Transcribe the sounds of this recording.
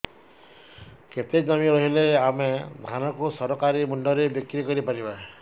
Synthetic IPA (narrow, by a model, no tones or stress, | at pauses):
ket̪ed͡ʒamiɾɔɦileamed̪ʱanɔkusɔɾɔkaɾimunɖɔɾebikɾikɔɾipaɾiba